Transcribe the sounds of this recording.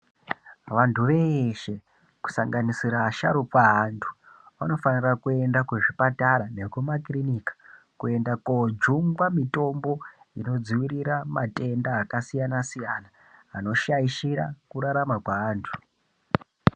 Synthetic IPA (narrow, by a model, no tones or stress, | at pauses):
ʋantʰuʋe̞ʃe̞ | ku̥saŋɡanisiɾaʃa̰ɾupaɦantʰu̥ | ʋano̞fanirakue̞ndakweʐipataɾane̞kumakrinikḁ | kue̞ndakod͡ʒuŋɡwamito̞mbo̞ino̞d͡ziʋiɾiɾamatʼe̞ndaːkasijanasijanaː | no̞ʃaiʃiɾa̰kuɾaɾamakwaaːntʰu̥